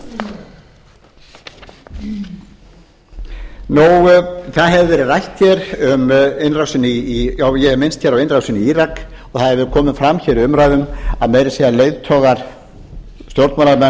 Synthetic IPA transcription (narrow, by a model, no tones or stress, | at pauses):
nuwθaðɦɛvɪvɛːɾɪðrajht̪çɛɾʏmejnrawsɪnːɪijaːwjɛhɛmɪnst̪çɛːɾawɪnrawsɪniiːɾak | ɔɣθaðɛɾvɪðkʰɔːmɪnfɾamːçɛɾɪʏmɾaːjðʏmaðmeːjɾɪsɛːalejðt̪ʰɔːɣaɾ̥ | st̪jowɾt̪maːlaɾmɛn